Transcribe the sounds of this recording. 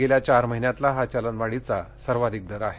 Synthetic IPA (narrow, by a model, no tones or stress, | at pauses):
eljat͡ɕaɾməɦinjat̪laɦat͡ɕalənʋaɽit͡sa | səɾʋad̪ʱik̚d̪əɾaɦe